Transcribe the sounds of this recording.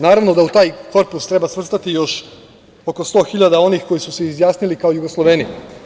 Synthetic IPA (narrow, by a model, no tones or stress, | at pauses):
naːɾaʋno̞d̪aut̪aːjko̞ɾpust̪ɾe̞basʋr̩st̪at̪ijo̞ʃ | o̞ko̞st̪o̞ːxiʎad̪ao̞nixko̞jisuseizjaːsnilikaojuɡoslˠoʋeːnij